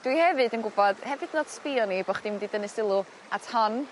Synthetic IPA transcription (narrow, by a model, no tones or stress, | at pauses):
d̥wihɛvɨdənɡʊbɔd̥hɛvɨdnoːd̥spiɔnibɔχd̥imdidənɨsɪlˠʊ | atʰɔn